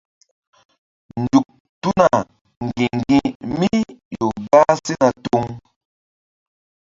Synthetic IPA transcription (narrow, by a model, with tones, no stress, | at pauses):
n̩˨du˨k̚ | tu˦na˨ | ŋ˨ɡi˨ŋ˨ɡĩ˨mi˦jo˨ba˦si˦na˨to˦ŋ